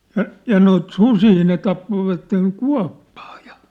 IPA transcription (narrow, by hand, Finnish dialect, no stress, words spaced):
jɑ jɑ noit susiː ne tɑpːoʋɑtːeŋ kuɑ̝pːɑ̥ː j̊ɑ̥